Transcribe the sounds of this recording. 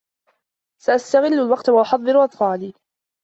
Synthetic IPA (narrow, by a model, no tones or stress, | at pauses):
saʔast̪aɣɪlːʊlwɑqt̪awaʔʊħɑðˤːɨɾʊʔɑt̪ˤfɑːliː